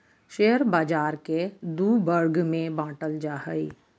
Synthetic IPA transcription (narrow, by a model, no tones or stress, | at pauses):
ʃeːəɾbaːd͡ʒaːɾked̪uːbəɾɡmẽbãːʈəld͡ʒaːhəi